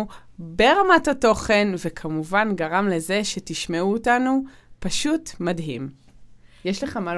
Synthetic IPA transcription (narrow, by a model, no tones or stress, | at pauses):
u | be̞ʁamatato̞χe̞nvekʰamuvanɡaʁamle̞zeʃe̞tiʃmeuːtanu | paʃutmadɦim | jeʃleχamal